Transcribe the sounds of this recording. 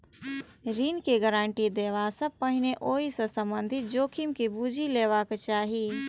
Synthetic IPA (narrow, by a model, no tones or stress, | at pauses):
ɾiːnkeɡəɾãːɳʈid̪eːʋasəpəɦɪneʔoːisə̃sə̃mbə̃nd̪ʱɪt̪̚d͡ʒoːkʰimkibuːd͡ʒʱileːʋaːkt͡ʃaːɦiː